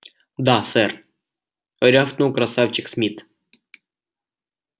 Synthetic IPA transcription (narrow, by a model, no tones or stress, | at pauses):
d̪asɛr | ɾʲaft̪nuwkɾɐsafʲt͡ɕɪksmʲit̪